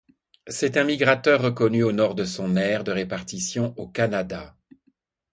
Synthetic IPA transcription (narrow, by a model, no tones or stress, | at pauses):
sɛt̪ɛ̃miɡʁat̪œʁːəkɔnyonɔʁd̪əsɔ̃nɛʁd̪əʁepaʁt̪isjɔ̃ʔokanad̪a